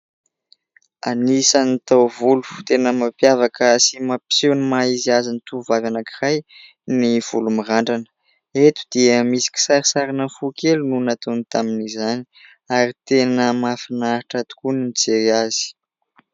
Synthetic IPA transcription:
a̰nisanat̪awvulu̥t̪enəmapjavakəsimapi̥sewnimaiziazanit̪uvavanakiraj | niv̥ulumiraɳɖ͡ʐanə̥ | et̪u̥d̪̥iəmisi̥kʲi̥saɾisaɾinəfukelununat̪onit̪aminizani̥ | aɾit̪enəmafinaɾiʈ͡ʂat̪u̥kuninit͡seɾiazi̥

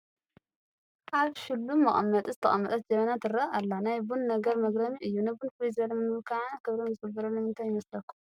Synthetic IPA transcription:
ʔaβʃɪlːumːɐχʼɐmːɐt̪ʼizɨt̪ʰɐ̰ʔʼɐmːɐt̪ʼɐt̪d͡ʒɐmɐnat̪ʰɨɾɐalːanajbunnɐɡɐɾmɐɡɾɐmiʔɨjːunabunfɨlizɐlmɨmɨlkʰaʕankʰɨβɾomzɨkɨbɐɾɐlːomɨnt̪ʰajːɪmɐslɐkːum

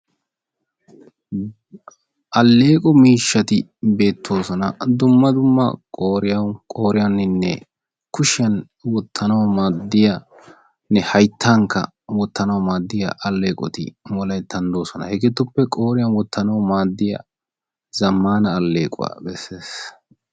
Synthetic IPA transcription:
ɐlːe̞ːkʼɔmiːʃːɐt̪ɪbe̞ːt̪ʰːo̞ːsɔnɐd̪ʊmːɐd̪ʊmːɐ̰kʼoːɾɪjɐkʼo̞ːɾɪjɐnɪnːɛ̰ | kʊʃɪjɐn | wɔt̪ʰːɐnɐwmaːd̪ːɪjɐ | nɛhɐjt̪ʰːaːŋkːɐ̰ | wɔt̪ːɐnɐwmaːd̪ːɪjɐ̰ʔɐlːe̞ːkʼɔ̰t̪ɪ̰mɔlɐjt̪ɐnd̪o̞ːsɔnɐ̰hɛɡɛt̪ːʊpːɛkʼoːɾɪjɐnwɔt̪ːɐnɐwmaːd̪ːɪjɐ̰ | zɐmːaːnɐːlːe̞ːkʼʊ̰wa̰ːbɛsːe̞ːs

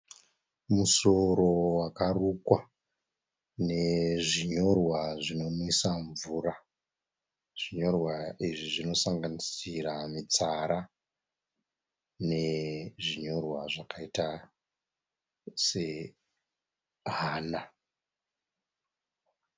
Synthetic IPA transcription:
muso̞ɾo̞wakarukwa | ne̞ʐiɲo̞rwaʐino̞muisaɱvuːra | ʐ̥iɲo̞rwaiʐiʐino̞saŋɡanisiramit͡saɾa | ne̞ʐiɲo̞rwaʐakaita | se̞ | ɦaːna

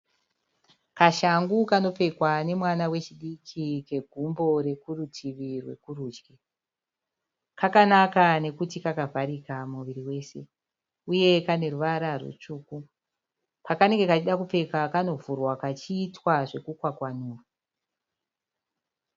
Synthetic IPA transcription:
kaʃaŋɡukano̞p͡fe̞kwane̞mwanawe̞t͡ʃiɗikʰike̞ɡʱumbo̞ɾe̞kurutʰiʋirwe̞̰kuruːd͡ʒɡe | kakanakane̞kutikakavʱaɾikamuʋiɾiwe̞ːse̞ | uje̞kane̞ruʋaɾarwṵt͡ʂuːku | pakane̞ŋɡe̞kat͡ʃiɗakup͡fe̞kakano̞vurwakat͡ʃiːtwaʐe̞kukwakwanuːru

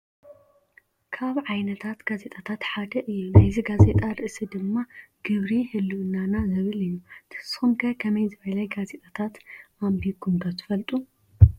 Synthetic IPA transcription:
kʰaβʕajnɐt̪ʰat̪ɡazet̪ʼat̪ʰat̪ħad̪ɐʔɨjːunajziɡazet̪ʼaɾɨʔɨsid̪ɨmːaɡ̥ɨβɾihɨlːuʔɨnanazɨβɨlɨjːut̪ʰɨ̥sxumkʰɐkʰɐmɐjzɨβɐlɐjɡazet̪ʼat̪ʰat̪ʔambiɡumkʰɐt̪ʰɨ̥fɐlt̪ʼu

